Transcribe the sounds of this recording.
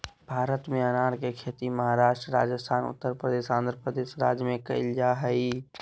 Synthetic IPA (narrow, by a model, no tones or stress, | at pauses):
b̥ʱaːɾət̪mẽɐnaːɾkekʰeːt̪imɐɦaɾaːʃʈɾəɾa̰ːd͡ʒəst̪ʰaːnʊ̰t̪ːəɾpɾəd̪eːʃãːnd̪ɾəpɾəd̪eːʃɾa̰ːd͡ʒjəmẽkɐ̰ɪld͡ʒaɦəi